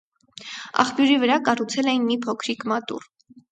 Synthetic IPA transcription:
ɑ̰χpjuɾivəɾɑkɑrut͡sʰɛlɛjinmipʰɔkʰɾikʰmɑt̪ṵr

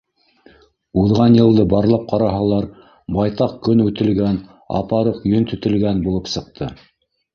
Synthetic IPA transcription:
uðʁɑnjɤ̆lˠd̪ɤbɑɾlˠɑp̚qʰɑɾɑɦɑlˠɑɾ | bɑjt̪ɑq̚kɵnʉt̪ɘ̆lɡæn | ɑ̰pɑɾɤqjɵnt̪ɵ̆t̪ɘ̆lɡænbulˠɤpsɤ̆q̚t̪ʰɤ

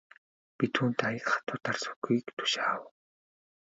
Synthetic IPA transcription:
pit̪ʰuːnt̪ajə̆kχḁt̪ʰʊːt̪arsʊ̥kiːkt̪ʰʊ̥ʃaːw

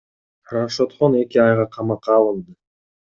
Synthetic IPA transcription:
raʃot̪χone̞kʲiɑjʁɑqʰɑmɑqːɑːlˠɯnˠd̪ɯ

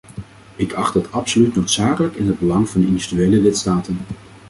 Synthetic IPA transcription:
ɪkʰɑχtətɑpsolytnowtsaːkələkɪnɦəd̚bəlɑŋvɑndəɪndyvidyejləlɪtstaːtən

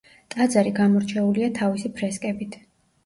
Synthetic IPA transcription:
t̪ʼad̪zaɾiɡamɔɾt͡ʃʰɛuliat̪ʰavisipʰɾɛskʼɛbit̪ʰ

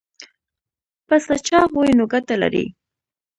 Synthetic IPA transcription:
pasat͡ʃɑχʊjnʊɡat̪ala̰ɾḭ

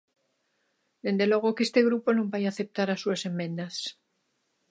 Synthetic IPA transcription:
d̪e̞nd̪e̞lo̞ɣ̞okest̪e̞ɣ̞ɾupo̞nũmbajaθe̞p̚t̪aɾasuasemːẽ̞nd̪as

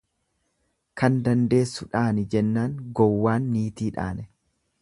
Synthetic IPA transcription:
kɐnd̪ɐnd̪e̞ːsːʊᶑaːnɪd͡ʒɛnːaːŋɡɔwːaːnːiːt̪iːᶑa̰ːnɛ

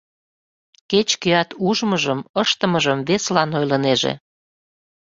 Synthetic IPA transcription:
ket͡ɕkeɑt̪uʒməʒəməʃt̪əməʒəmβeslɑnojləneʒḛ

